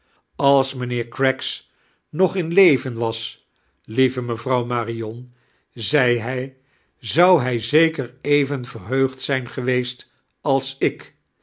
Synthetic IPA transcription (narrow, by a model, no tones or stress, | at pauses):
ɑlˠsmənɪːɹkɹɛks | nɔχɪnlejvənʋɑs | livəməvɑwmaːriɔn | zɛjɦɛj | zʌwɦɛjzejkərejvənvərɦøɥχtsɛjnχəʋejst | ɑlˠsɪk